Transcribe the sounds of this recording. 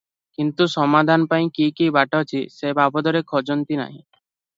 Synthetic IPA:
kint̪usɔmad̪ʱanɔpaĩkikibaʈɔt͡ʃʰisebʱabɔd̪ɔɾekʰɔd͡ʒɔnt̪ina̰ɦḭ̃

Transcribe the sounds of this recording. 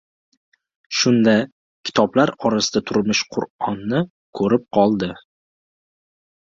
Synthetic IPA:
ʃʊnd̪a | kʲʰɪ̥t̪ʰɒblaɾɒɾasɪd̪at̪ʰʊɾmɪʃqʰʊ̰ɾɒnːɪ | kʰɵɾɪp̚qʰɒlˠd̪ɪ

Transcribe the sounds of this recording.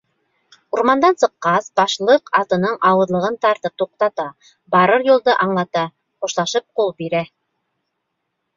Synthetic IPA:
uɾmɑnd̪ɑnsɤ̆qːɑsbɑʃlˠɤqɑt̪ɤ̆nɤɴʔɑwɤ̆ðlˠɤ̆ʁɤnt̪ɑɾt̪ɤp̚t̪uq̚t̪ɑt̪ɑ | bɑɾɤɾjulˠd̪ɤʔɑɴlˠɑt̪ɑ | χuʃlˠɑʃɤp̚qulˠbiɾæ

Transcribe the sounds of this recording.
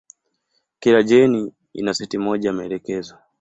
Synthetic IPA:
kilaʄɛni | ḭnasɛtimɔʄaimɛɛlɛkɛza

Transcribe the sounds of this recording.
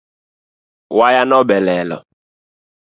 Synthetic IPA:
wajanɔbɛlɛlɔ̰

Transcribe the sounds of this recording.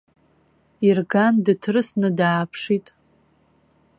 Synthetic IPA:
irɡandɨtʰrɨsnɨdaːpʰʂitʼ

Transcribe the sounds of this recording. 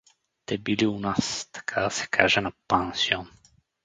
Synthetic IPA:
t̪ɛbiliunast̪ḁkʰad̪asɛ̥kʰaʒɛnapansiɔn

